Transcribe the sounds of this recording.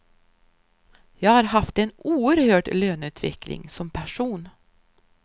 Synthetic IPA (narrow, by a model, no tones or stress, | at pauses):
jɑːɡhaːɾɦaft̪ɛnuːəɾhøːʈløːnʉ̟ːt̪ʰvɪ̰klɪ̰ŋsɔmpʰæʂuːn